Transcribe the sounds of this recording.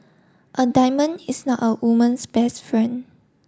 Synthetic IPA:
ʔədaɪmə̃nisnɔtəwumə̃nsbɛstfɹɛ̃n

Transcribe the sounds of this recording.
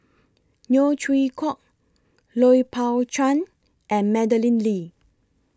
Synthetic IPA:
njot͡ʃʰɹikʰɔk̚ | lɔipʰawt͡ʃãn | ʔɛ̃nmɛdəlĩnli

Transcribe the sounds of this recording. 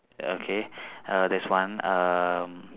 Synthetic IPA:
okʰeʌdɛswãnʌm

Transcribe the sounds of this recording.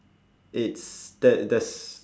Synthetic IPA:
ɪtsd̥ɛdɛs

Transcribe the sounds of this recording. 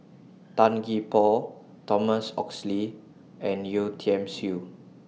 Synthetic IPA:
tãnɡipɔ | tɔməsɔ̰ksli | ɛ̃njutʰiɛ̃msu

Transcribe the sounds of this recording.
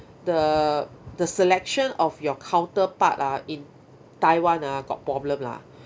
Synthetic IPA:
də | dəsɛlɛk̚ʃə̃nɔfjɔkʰãw̃ntəpat̚aĩn | tajwãnaɡɔ̰t̚pɹɔblə̃mla̰

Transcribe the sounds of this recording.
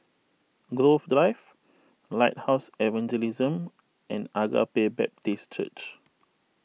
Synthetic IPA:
ɡɹofdɹaɪv | laɪt̚haʊsɛvãnd͡ʒɛlizə̃m | ɛ̃naɡa̰pebɛ̰p̚tist͡ʃə̰t͡ʃ

